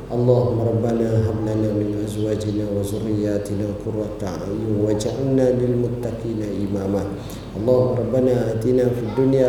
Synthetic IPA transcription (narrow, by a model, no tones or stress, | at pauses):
ʔɑlˤːaːɦʊmːaɾˤɑbːanaːɦablanaːmɪnʔazwaːd͡ʒɪnaːwazʊrːɪjaːtɪnaːkʊɾwataa̰jiwad͡ʒaʔanːaːlɪlmʊt̪ːakiːnaʔimaːma | ʔɑlˤːaːhumːaɾˤɑbːanaːʔaːtiːnaːfidːunja